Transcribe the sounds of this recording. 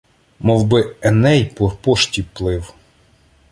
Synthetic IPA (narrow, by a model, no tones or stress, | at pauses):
mɔwbɪɛnɛjpɔpɔʃtʲiplˠɪw